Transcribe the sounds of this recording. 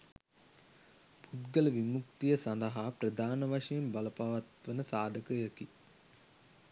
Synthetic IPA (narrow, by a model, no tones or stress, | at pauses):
b̥ud̪ɡələʋimuk̚t̪ijəsɐnd̪ɐɦapɾɐd̪ʱaːnəʋaʂɐjembɐləpaʋɐt̪ʋənəsaːd̪ʱəkəjəki